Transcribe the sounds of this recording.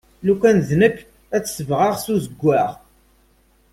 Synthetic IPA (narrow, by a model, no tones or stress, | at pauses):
lukʷːænðnəkː | æt͡sːsəvʁaʁsuzəɡʷːæʁ